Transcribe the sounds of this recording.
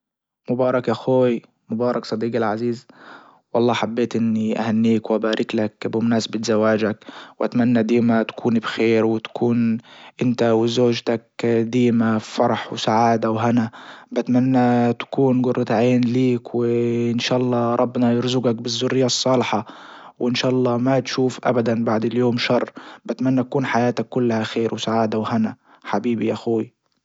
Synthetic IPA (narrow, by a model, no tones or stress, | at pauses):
mʊbɑːɾˤɑkʔaxoːj | mʊbɑːɾˤɑksˤɑd̪iːɡɪlʕaziːz | wʔɑlˤːɑːħabːeːt̪ʔɪnːiʔa̰hanːiːkwʔabaːɾʔɪklakbɪmnaːsbɪt̪zawːaːd͡ʒakwʔat̪manːad̪iːmat̪ḁkʰuːnibxeːɾwɪt̪ḁkʰuːnʔɪnt̪awɪzoːʒt̪akd̪iːmafɑɾˤɑħwsaʕaːd̪awɦanabat̪manːat̪ḁkuːnɡʊrːɑt̪ʕeːnliːkwɪɪnʃaːʔɑlˤːɑːɾˤɑbːnɑjʊɾzʊɡak̚bɪzːʊrːɪjːaʔsˤːɑːlɪħɑwʔɪnʃaːʔɑlˤːɑːmat̪ʃuːfʔa̰bad̪anbaʕd̪ɪljoːmʃɑrˤːbat̪manːat̪akuːnħajaːt̪akːʊlːahaxeːɾwɪsaʕaːd̪awhana | ħabiːbiʔaxuːwi